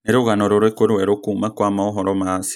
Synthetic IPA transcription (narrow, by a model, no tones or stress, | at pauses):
eɾoɣanõɾoɾoekʷoɾueɾokumãkʷamãoɦoɾomas